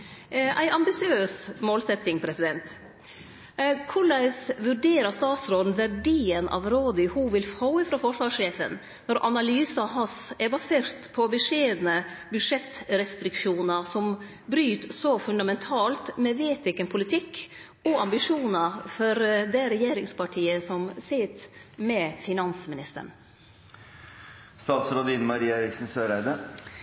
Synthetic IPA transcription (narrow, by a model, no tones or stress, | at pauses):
ʔæɪʔɑmbɪsɪøːsmoːlsɛt̪ːɪŋpʰɾɛsɪd̪ɛnt̪ | kʰʊɭæɪsʋʉɖeːɾəst̪ɑːt̪sɾoːd̪n̩ʋæɖiːənʔɑ̰ʋɾoːd̪əhuʋɪlfɑʊəfɾɑfɔʂʋɑːʂeːfə̰n | nɔɾʔɑ̰nɑlyːsɑɦɑsɛɾbɑseːɾt̪pʰɔbʉʂeːd̪nə | bʉʂɛt̪ɾɛst̪ɾɪkʂuːnɑsɔm | bɾyːt̪sɔfʉnd̪ɑmɛnt̪ʰɑːlt̪mɛʋeːt̪ɪkːənpʰʊlɪt̪ʰɪkː | ɔɑmbɪʂuːnɑfɔɾd̪ɛɾɛjeːɾɪŋspʰɑʈʰiːəsɔmsɪt̪mɛfɪnɑnsmɪnɪst̪ə̰ɳ | st̪ɑːt̪sɾod̪iːnmɑɾiːɑɛɾɪksn̩søːɾæɪd̪ə